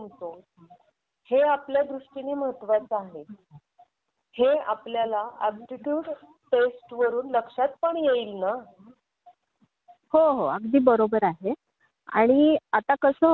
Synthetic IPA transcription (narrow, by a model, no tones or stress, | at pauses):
əmt̪o | heapljad̪ɾuʂʈiniːməɦət̪ːʋat͡saɦe | hea̰pljalaakʈiʈjuːɖ | ʈesʈʋəɾuːnləkʂat̪̚pəɳjeilna | hoɦoəɡd̪iːbəɾobəɾaɦe | a̰ɽ̃iat̪akəsə